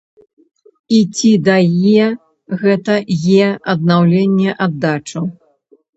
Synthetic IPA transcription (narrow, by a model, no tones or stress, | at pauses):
it͡sʲid̪ɐjɛ | ɣɛt̪ɐjɛɐd̪̚nawlʲenʲːɛʔad̪ːat͡ʂɐ